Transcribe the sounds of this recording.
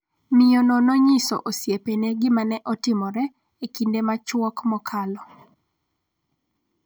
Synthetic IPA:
mɪjɔnɔnɔɲɪsɔ̰ʔosjepeneɡɪmanɛʔɔtɪmɔɾɛ | ekindemat͡ʃwɔkmɔkʰalɔ

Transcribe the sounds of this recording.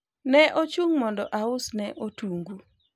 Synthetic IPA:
nɛʔot͡ʃuŋmɔndɔʔaʊsnɛʔotuŋɡu

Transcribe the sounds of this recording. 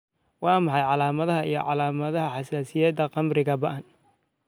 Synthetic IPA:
wɑːmɑħɑjʕɑlaːmɐðɐɦɐʔḭjɞ̰ʕɑlaːmɐðɐɦɐħɑsaːsɪjɛːd̪ɐqɑmrɪɣɐbɐʔɐn

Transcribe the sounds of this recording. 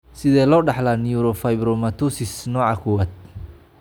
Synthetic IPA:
sɪðɛːlɔːɖɑħlaːnɪuɾɔfajbɾɔmɐt̪ʰusɪsnɔːʕɑkʰɔwaːd̪̚

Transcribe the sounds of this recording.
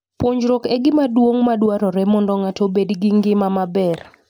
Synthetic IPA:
poɲd͡ʒɾokɛɡɪmadwoŋmadwaɾɔɾɛmɔndɔŋatobedɡɪŋɡɪmamabɛr

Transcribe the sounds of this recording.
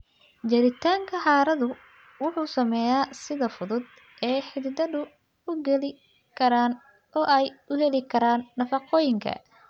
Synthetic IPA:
d͡ʒɐɾɪt̪ʰaːŋkʰɐħaːɾɐðʊ | wʊħuːsɐmɛːjaːsɪðɐfʊðʊd̪ | ʔɛːħɪðɪd̪ɐðʊ | ʊɡɛlɪ | kʰɐɾaːn | ʔɔːʔɛjʔʊhɛlɪkʰɐɾaːnːɐfɑqɔːjɪŋkʰɐ̰

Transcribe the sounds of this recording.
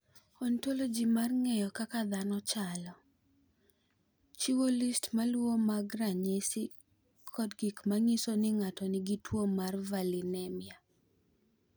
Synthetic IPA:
ɔntolod͡ʒimarŋɛjɔkakad̪anɔt͡ʃalɔ | t͡ʃiwolistmalwomaɡɾaɲesɪ | kʰɔdɡikmaŋisonɪŋatɔnɪɡitwomarvalinɛmɪa

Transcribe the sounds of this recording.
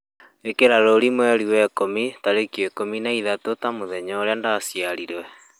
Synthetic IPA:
ekeɾaɾoɾimwɛɾiwɛkomitaɾekiekominaiðatotamoðɛɲɔɾeandasjaɾiɾwɛ

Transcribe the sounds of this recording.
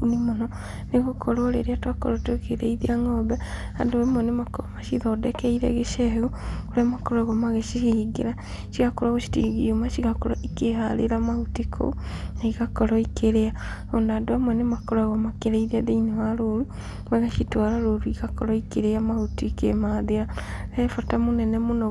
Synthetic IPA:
unimono | neɣokʰoɾolḛɾiatwako̰ɾotokeɾḛiðiaŋobɛ | a̰doemonemakoɾomaʃiðodekeiɾḛɣeʃeɣukuɾamakoɾaɣomaɣeʃiiɡḛɾa | ʃikakoɾaɣoʃi̥tḭɣiumaʃiɣakoɾoʔikehalḛɾamahutikʰo̰naikakoɾɔikʰeɾea | ondaːdowamwenemakoɾaɣomakeɾeiðiaðeiniwaɾoɾu | maɣaʃitwalaɾoɾuikakoɾɔikeɾeamahutikemaðeaefatamunɛnemuno

